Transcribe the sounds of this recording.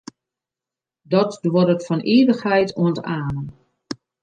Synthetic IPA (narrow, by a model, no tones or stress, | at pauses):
dɔtdwoɾətfɔnʔiːʋəxhɛjtʰuəntaːnən